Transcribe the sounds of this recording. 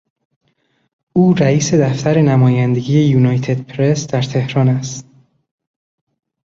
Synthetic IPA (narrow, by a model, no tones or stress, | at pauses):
ʔuːɾæiːse̞d̪æft̪ʰæɾe̞næmɒːjænd̪e̞ɡʲiːjejuːnɒːjt̪ʰe̞d̪̥̚pʰɾe̞sd̪̥æɾt̪ʰe̞hɾɒːnæst̪